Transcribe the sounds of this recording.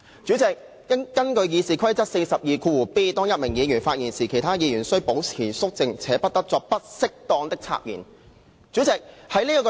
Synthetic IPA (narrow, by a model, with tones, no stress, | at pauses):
t͡syː˨˥t͡sɪ˨k̚ː | ɐ˥kːɐ˥nkɵ˧ɥjiː˨˧siː˨kʰɐ˥jt͡sɐ˥t̚se˧jsɐ˨p̚jiː˨kʰuː˧wuː˨˩piː˥t̪ɔː˥ŋjɐ˥t̚mɪ˨˩ŋjiː˨˧jyː˨˩nfaː˧t̚jiː˨˩nsiː˨˩kʰe˨˩jt̪ʰaː˥jiː˨˧jyː˨˩nsɵ˥po˨˥wt͡sʰiː˨˩sʊ˥k̚t͡sɪ˧ŋt͡sʰɛː˨˥pɐ˥t̚t̪ɐ˥k̚t͡sɔː˧k̚pɐ˥t̚sɪ˥k̚t̪ɔː˧ŋt̪ɪ˥k̚t͡sʰa̰ː˧k̚jiː˨˩n | t͡sy˨˥t͡sɪ˨k̚hɐ˨˥jliː˥ɔ˧k